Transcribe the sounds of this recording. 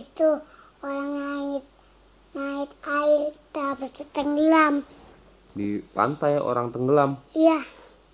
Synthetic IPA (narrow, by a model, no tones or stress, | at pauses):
st̪u | oɾaŋaɪt̪̚ | naɪt̪aɪd̪abərt͡ʃət̪əŋɡəlam | dipa̰nt̪ajo̰ɾaŋt̪əŋɡəlamija